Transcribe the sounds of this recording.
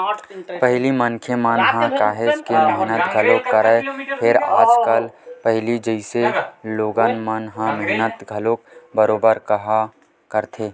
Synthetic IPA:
pəɦlimənkʰemənɦãkaːɦɪskemɛɦnət̪ɡʱɐlokːəɾəpʰɪɾa̰ːd͡ʒkəlpəɦlid͡ʒəɪseloːɡanmənɦãmɛɦnət̪ɡʱɐloːk̚bəɾoːbəɾkɐɦa | kəɾt̪ʰeː

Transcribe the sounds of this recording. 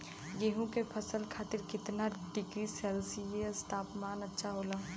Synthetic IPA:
jeːɦũkepʰəsəlkʰaːt̪ɪɾkɪt̪naɖɪɡɾisɛlsiesʈaːpmaːnətːʃʰaɦoːla

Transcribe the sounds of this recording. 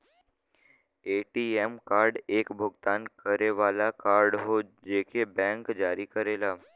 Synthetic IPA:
eːʈiemkaːɾɖeːkbʱʊɡt̪aːnkəɾeʋaːlakaːɾɖɦod͡ʒeːkebɛ̃ːŋkd͡ʒaːɾikəɾeːlaː

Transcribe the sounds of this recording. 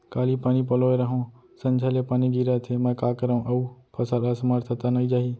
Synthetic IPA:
kaːlipaːnipəloeɾəɦõ | sənd͡ʒʰalepaːniɡiɾat̪ʰemə̃kaːkəɾə̃ʔəũpʰəsalasmaɾt̪ʰət̪anəid͡ʒaːɦi

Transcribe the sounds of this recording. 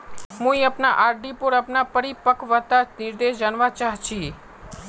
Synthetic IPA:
mũiəpnaʔaɾɖipuɾəpnapəɾipəkʰʋət̪anɪɾd̪eʃd͡ʒanʋat͡ʃaɦt͡ʃʰi

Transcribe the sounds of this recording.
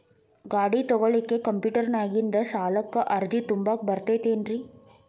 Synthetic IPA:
ɡaːɽit̪ɔɡɐɭikːekɐmpjuːʈɐɾnaːɡind̪ɐsaːlɐkːɐʔɐɾd͡ʒit̪umbaːk̚bɐɾt̪eːt̪eːnɾi

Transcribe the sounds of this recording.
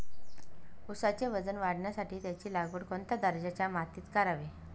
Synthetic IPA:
usat͡ɕeʋəd͡zənʋaɽɳjasaʈiːt̪jat͡ɕiːlaɡʋəɽkoɳt̪jad̪əɾd͡ʑat͡ɕjamat̪iːt̪kaɾaʋe

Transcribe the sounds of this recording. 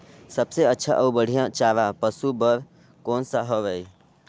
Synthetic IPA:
səbseətːʃʰa̰ʔəubəɽ̤ijãt͡ʃaːɾapəsubəɾ | koːnsəɦəʋej

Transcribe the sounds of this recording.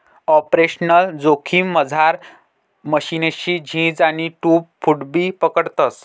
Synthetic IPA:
ɔpɾeɕnəld͡zokʰiːmːəd͡zʱaɾ | məɕineɕiːd͡ʑʱĩd͡zaɽiʈuːpfuʈbiːpəkəɽt̪əs

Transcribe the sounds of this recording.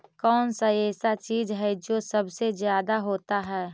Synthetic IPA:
kɔːnsaɛːsat͡ʃiːd͡ʒɦɛd͡ʒoːsəbsezjaːd̪aɦoːt̪aɦɛː

